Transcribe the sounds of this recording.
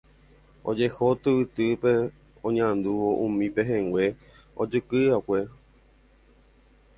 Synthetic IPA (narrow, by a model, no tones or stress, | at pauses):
o̞d͡ʒe̞hot̪ɨʋɨt̪ɨpe | õɲãnd̪uʋo̞ʔũmĩpeɦẽŋɡʷwe̞ | od͡ʒɨkɨakʷe